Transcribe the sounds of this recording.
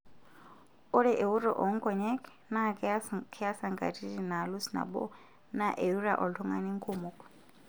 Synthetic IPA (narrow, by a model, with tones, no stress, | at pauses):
u˦ɺɛ˦ʔe˨u˦ɾɔ̰˨ʔɔ˨ŋ̩˦kʼɔ˨ɲɛ˦k | na˦˨kʰkʰɛ˦a˦sa˨ŋɡa̰˨tʰi˦di˨na˨lu˦sna̰˨bɔ̰˦ | na˦ʔe˨u˦ɾa˨ʔɔ˨ltʰɔ˦ŋa̰˨ni˦ŋ̩˦kʰʼumukʼɔ̥